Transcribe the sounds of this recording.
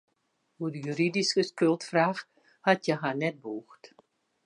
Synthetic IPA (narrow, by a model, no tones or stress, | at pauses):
udəjyɾidiskəskølˠtfraːx | hatʰjɛɦanɛt̚buːxt